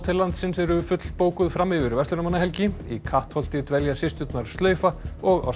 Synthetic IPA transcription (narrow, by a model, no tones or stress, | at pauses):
t̪ʰɪlːant̪sɪnsɛɾʏfʏt̪lpoːwkʏðfɾamːɪvɪɾvɛst̪ʏɾʏmanːaɦɛlcɪikʰaht̪hɔl̥t̪ɪt̪vɛljasɪst̪ʏt̪naɾst̪lœːɥfaɔɣa̰w